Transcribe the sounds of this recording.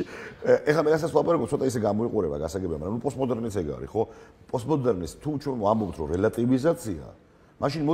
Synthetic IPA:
ɛχlamɛɾas̬at̪sʰvlˠapʼaɾakʼɔp̚t̪sʰɔt̪ʼaisɛɡamɔiqʼuɾɛba̰ɡasaɡɛbiamaɡɾamnupʼɔst̪mɔd̪ɛɾnit̪sʰɛɡa̰ɾḭχɔ | pʼɔst̪mɔd̪ɛɾnist̪ʰut͡ʃʰwɛnambɔpt̪ʰɾɔɾɛlat̪ʼivizat̪sʰia̰ | maʃinmɔ

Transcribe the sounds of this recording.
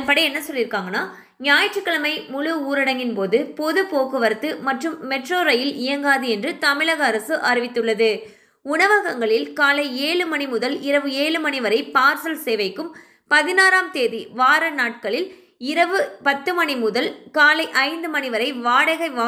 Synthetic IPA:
ɐnpɐɽɐɛnːɐsɔlːɪɾɯkːaːŋɡɐnaː | njaːjɐʈrɯkːɐɭɐmɐɪmʊɻɯuːɾɪɽɐŋɡɪnpoːðɯpɔðɯpoːkɯʋɐɾɯt̪ːɯmɐʈrɯmːɛʈroːɾɐjɪlɪjɐŋɡaːðɯɛndrɯt̪ɐmɪɭɐɣɐːɾɐsɯʔɐɾɪʋɪt̪ːɯɭːɐðɯ | ʊɳɐʋɐɣɐŋɡɐɭɪlkaːlɐɪeːɭɯmɐɳimʊðɐlɪɾɐʋɯeːɭɯmɐɳɪʋɐɾɐɪpaːɾsɐlseːʋɐɪkːɯm | pɐðɪnaːɾaːmt̪eːðiʋaːɾɐnaːʈ̚kɐɭɪl | ɪɾɐʋɯpɐt̪ːɯmɐɳimʊðɐlkaːlɐɪʔɐɪnd̪ɯmɐnɪʋɐɾɐɪʋaːɽɐɣɐɪʋaː

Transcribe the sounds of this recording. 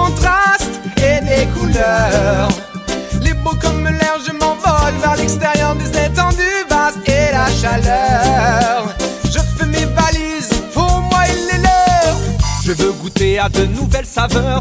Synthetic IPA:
kɔ̃t̪χast̪elekulœʁ | lepokɔmːəlɛʁʒəmɑ̃vɔlvɛʁlɛkst̪eʁjɔʁd̪ezɛ̃t̪ɑ̃d̪yvaselaʃalœ | ʁʒəfɛmevalizpuʁmwailːelœʁʒ̥əvøɡut̪ead̪ənuvɛlsavœʁ

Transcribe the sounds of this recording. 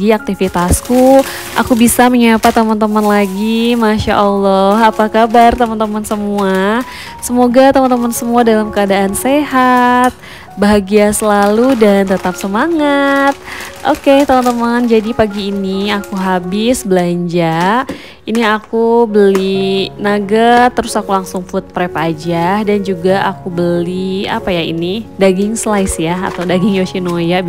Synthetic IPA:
iak̚t̪ifit̪asku | ʔa̰kubisaməɲapat̪əmant̪əmanlaɡimaʃa̰ʔɔlːɔɦapakabart̪əmant̪əmansəmua | səmoɡat̪əmant̪əmansəmuadalamkəadaʔanseɦat̪̚ | baɦaɡiasəlaludant̪ət̪ap̚səmaŋat̪̚ʔoket̪əmant̪əmand͡ʒadipaɡiːniakuɦabɪsbəlaɲd͡ʒa | iniakubəlinaɡat̪əɾʊsakulaŋsʊŋfʊt̪̚pɾɛpad͡ʒahdand͡ʒuɡaʔakubəlia̰pajaḭnidaɡɪŋslajsjaa̰t̪awdaɡɪŋjoʃinoja

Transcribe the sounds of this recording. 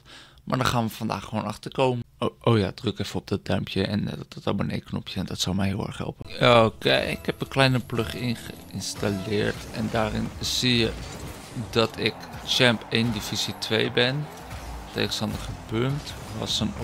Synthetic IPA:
mʔaːɹdɔnχaːnʋəfɑnda̰ːχəʋoːnɑχtəɹkowməoʔowja̰ːd̥røkɛfəɔb̚d̥ɔd̚d̥œɥmpʰjəɛ̰n̰dtɪtɔlˠmənḛjknɔ̰pʰjəɛndɔtsɔlˠmɛjɦɪːlˠɛ̰ɹχɦɛ̰lˠpəokḛɪ̰khɛpənklɛjnəplɵχɪnχə | ɪnstalɪːɹtɛndaːrɪnz̥ijə | dɔtʰɪkt͡ʃɛmpejndifisitʰʋejbɪn | tḛjχənstɑndəχəpønt | ʋɑ̰sən

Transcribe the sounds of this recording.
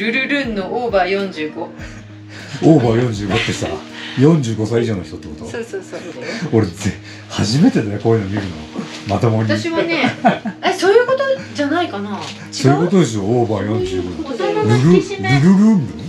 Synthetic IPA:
ɾɯ̟ɾɯ̟ɾɯ̟̃nːoʔoːbaːjõ̞ɲ̟d͡ʑɨːɡ̥o | oːbaːjõ̞ɲ̟d͡ʑɨːɡo̞t̪ːe̞sa | jõ̞ɲ̟d͡ʑɨːɡo̞saiiʑo̞ːno̞çi̥t̪o̞t̪ːekot̪oo | o̞ɾee | haʑime̞t̪ed̪anekoːinomʲiɾɯ̟nomat̪omoɲʲiaɕimoneesoːjɯːko̞t̪od͡ʑanaikana | soːjɯ̟ko̞t̪o̞d̪e̞s̬ɨjo̞oːbaːjõ̞ɲd͡ʑɨːɡoɾɯɾɯɾɯɾɯɾɯ̟mbɯ

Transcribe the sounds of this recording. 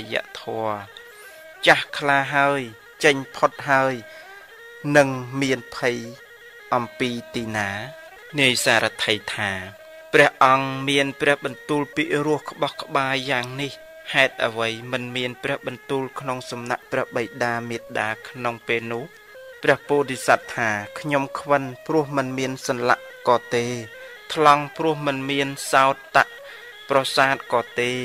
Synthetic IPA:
ja̰ːʔt̪ʰɔə | t͡ɕahkʰlaːɦaəj | t͡ɕəɲpʰot̪̚ɦaəj | nɨŋmiənpʰɨj | ʔɑmpiːt̪iːnaː | niəjsaːɾat̪ʰəjt̪ʰaː | prɛ̆əhʔɑŋmiənprɛ̆əhɓɑnt̪uːlpiːʔrʊəhkə̆ɓɑhkə̆ɓaːaːŋnih | haɛt̪̚ʔəʋəjmɨnmiənprɛ̆əhɓɑnt̪uːlkʰnoŋsɑmnaʔprɛ̆əhɓəjɗaːmiət̪̚ɗaːkʰnoŋpeːlnʊ̆əh | prɛ̆əhpuːʔrisat̪ʰːaːkʰɲomkʰʋɨnprʊ̆əhmɨnmiənsɑnla̰ʔ | kɑːt̪eː | t̪ʰlɑŋprʊ̆əhmɨnmiənsaɔt̪̚ːaʔ | prɑsaːt̪̚kɑːt̪eː

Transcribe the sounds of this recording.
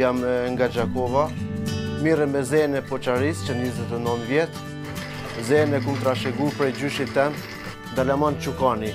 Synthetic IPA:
jamŋɡad͡ʒakɔvat̪miɾɛmɛzɛnɛpɔt͡ʃaɾist͡ʃənɲizɛt̪ɛnɔnvjɛt̪ | zɛnɛkumt̪ɾaʃɛɡupɾɛjd͡ʑyʃit̪ɛn | d̪alamant͡ʃukani

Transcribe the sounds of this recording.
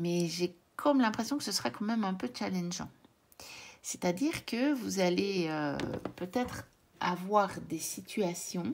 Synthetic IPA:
mɛʒe | kʰɔmlɛ̃pχesjɔ̃kəsəsəʁakɑ̃mɛmɛ̃pøt͡ʃalɛnʒɑ̰̃ | set̪ad̪iːʁkəvuzaleø̰pøt̪ɛt̪χ | a̰vwaːʁd̪esit̪ʰyasjɔ̃

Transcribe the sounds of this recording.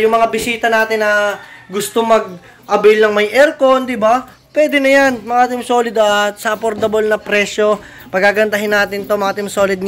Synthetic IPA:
jʊŋmɐŋabɪsiːt̪ɐnaːt̪ɪnːɐɡʊst̪omɐɡ̚ | ʔɐbɪlnɐŋmɐjʔɛɾkond̪ɪba | pwɛːd̪ɛnɐjanmɐʔaːt̪ɪmsoːlɪd̪ɐt̪sɐʔɐpoɾt̪ɐbolnɐpɾɛʃjo̞ | pɐɡkːaɡɐnt̪ɐɦɪnːaːt̪ɪnt̪o̞mɐʔaːt̪ɪmso̞ːlɪd̪̚

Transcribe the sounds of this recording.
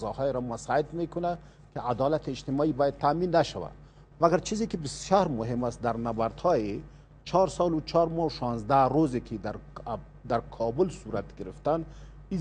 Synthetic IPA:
zɔhɔjeɾɔmasɑed̪mekʊna | kead̪ɑlat̪ʰeːd͡ʒt̪ɪmɔːibɔjad̪̚t̪ʰːaːminːaʃawa̰ | maɡaɾt͡ʃʰizekibɪsjɔɾmʊɦemasd̪aɾnabaɾt̪hɒje | t͡ʃʰɑɾsɑlut͡ʃʰɑɾmɔuʃɑnzd̪aɾozekʰid̪aɾ | d̪aɾkʰɑbʊlsuɾat̪ɡɪɾɪft̪an | i

